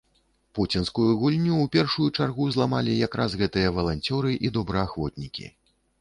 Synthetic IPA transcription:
put͡sʲinskujuɣulʲnʲuːpʲɛrʂujut͡ʂarɣuzlˠamalʲijakɾazɣɛt̪ɨjɐvɐlˠanʲt͡sʲɔɾɨʔid̪ɔbɾɐaxvɔt̪̚ʲnʲikʲḭ

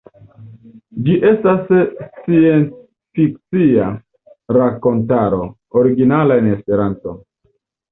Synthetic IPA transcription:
d͡ʒiʔe̞stasie̞ns | fik̚t͡sia | ɾako̞ntaɾo̞ | oɾiɡinalaenespe̞ɾanto̞̰

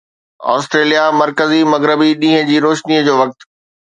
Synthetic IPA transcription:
ɔ̰ːsʈɾeːlijamɐɾkəzimɐɣɾɪbiɗĩːɦə̃d͡ʑiːɾoːʃniːəd͡ʑoːʋɐk̚t̪

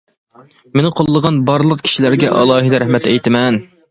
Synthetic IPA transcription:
menɪqʰolˠːəʁɑnbɑɾlˠəqkʲʰi̥ʃilæɾɡʲɛʔɑ̰lˠɑːɦid̪ɛɾɛhmɛt̪ɛjt̪ɪmɛn

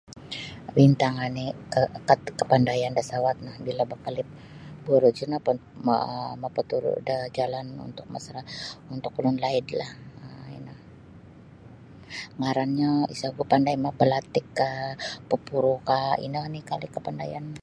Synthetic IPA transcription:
bint̪aŋanɪkəkat̪kəpandajandasawat̪̚nahbilabakalɪp̚ | buɾud͡ʒunap | mapət̪uɾ̰dad͡ʒalanṵnt̪ʊk̚masaɾaunt̪ʊkulʊnlaɪdlahəḭna | ŋaɾanɲaḭsaɡuapandajmapəlat̪ɪkːapəpuɾukaḭnanɪhkalɪkəpandajan

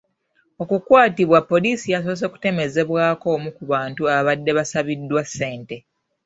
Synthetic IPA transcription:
o̞kukwaːtiβwapːo̞liːsijaso̞s̬eku̥te̞me̞ze̞βwaːko̞ːmukuβaːntuaββadːe̞βasaβidːwasːe̞ːnte̞

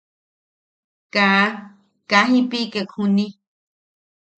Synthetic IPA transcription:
ka | kaɦĩpikekʰũnĩ

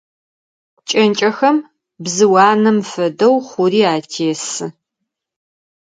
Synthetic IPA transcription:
t͡ʃʼɐnt͡ʃʼɐxɐm | bzɨwɑːnɨmfɐdɐwχʷʊriːaːtʰeːsɨ

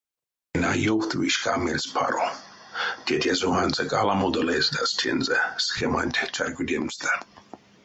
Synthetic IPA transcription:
ɛnajɔχt̪ʰʼviʃkʰʼamɛlspʰa̰ɾɔ | d̪̥ʲɛt̪ɛzɔɣanzɛkʼalamɔd̪əlɛːzd̪ast̪ʰɛ̰nzɛsχɛmant̪ʲʰt͡ʃʰaɾɡʷʼud̪ɛmzd̪a

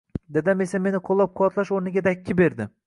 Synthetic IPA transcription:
d̪ed̪amesame̞nɪqʰolˠːap̚qʰoɒt̪ʰlˠaʃoɾnɪɡʲad̪akʲʰːɪbe̞ɾd̪ɪ

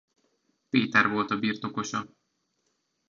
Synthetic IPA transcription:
peːt̪ɛrvo̞lt̪ɒbiːrt̪o̞ko̞ʃɒ

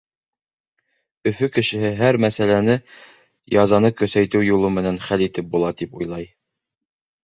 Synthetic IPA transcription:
ɵ̆fɵkɘ̆ʃɘ̆ɦɘɦæɾmæsælænɘ | jɑzɑnɤkɵ̆sæjt̪ɵwjulˠɤmɘ̆nænχælit̪ɘp̚bulˠɑt̪ipujlˠɑj

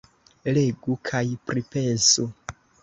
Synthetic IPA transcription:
leɡukʰajpɾipesu

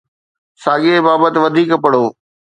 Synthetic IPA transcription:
saːɠebaːbət̪ɪʋɐd̪ʱiːkpɐɽoː

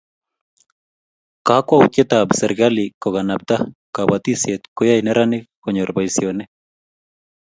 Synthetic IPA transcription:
kakwauket̪absɛɾɡalikɔɣanap̚t̪akabat̪isjet̪kojainɛɾanɪkɔɲɔɾbaisjonɛ

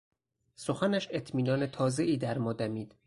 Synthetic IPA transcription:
soxænæʃet̪ʰmiːnɒːnet̪ʰɒːze̞ʔiːd̪æɾmɒːd̪æmiːd̪̥

